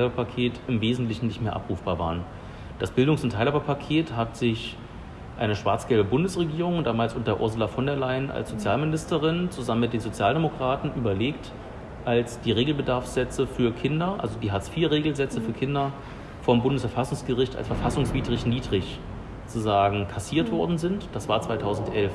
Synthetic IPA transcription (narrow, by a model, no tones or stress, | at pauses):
abɐpʰakʰeːtɪmveːzn̩tlɪçn̩nlɪçtmeːɐʔa̰pʁ̥uːfb̥aːva̰ːʁən | d̥asb̥ɪldʊŋsʊntʰːaɪlhabɐpʰakʰeːthatz̥ɪç | ʔaɪnəʃv̥aɐt͡sɡ̥ɛlbəbʊndəsʁ̥eɡiːʁʊŋd̥aːmaːlsʔʊntɐʔʊ̰ɐzʊlafɔndɛɐlaɪənʔa̰lsz̥ot͡sjaːlmɪnɪstəʁɪnt͡suzamənmɪtd̥eːnzot͡sjaːldemokʁ̥aːtn̩ʔyːbɐleːkt | ʔalsd̥iːʁeːɡl̩bədaɐfz̥ɛt͡səfyːɐkʰɪndɐʔa̰lzodiːɦat͡sfiːɐʁeːɡl̩zɛt͡səfyːɐkʰɪndɐ | fɔmbʊndəsfɛɐfasʊŋsɡ̥əʁɪçta̰lsfɛɐfasʊŋsv̥iːdʁɪçniːdʁɪç | t͡suzaːɡŋ̩kʰasiːɐtv̥ɔɐdn̩zɪntd̥asv̥aːɐt͡sv̥aɪtʰaʊzn̩tʔɛlf